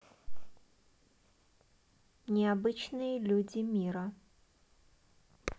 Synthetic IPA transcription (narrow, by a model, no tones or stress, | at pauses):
nʲɪabɨt͡ɕnɨjəlʲud͡zʲimʲiɾɐ